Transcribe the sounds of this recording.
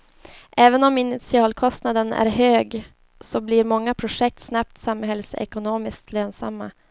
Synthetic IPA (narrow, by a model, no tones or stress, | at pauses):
ʔɛːvənɔmɪnɪt̪sɪɑːlkʰɔst̪nad̪ənæ̰ɾɦøːɡ | sɔbliɾmɔŋːapʰɾʊʂɛk̚t̪snap̚t̪samːhɦɛlsɛ̰kʊnoːmɪskt̪ʰløːnsa̰mːa̰